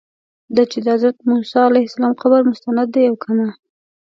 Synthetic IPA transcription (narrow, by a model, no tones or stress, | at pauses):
d̪ɑt͡ʃɪd̪əazɾat̪musɑalajhɪsalɑmqabaɾmʊst̪anad̪ːejawkʰana